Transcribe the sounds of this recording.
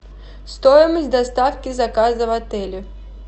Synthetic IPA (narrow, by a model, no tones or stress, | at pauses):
st̪ɔjɪməsʲd̪ɐst̪afkʲizɐkazɐvɐt̪ɛlʲɪ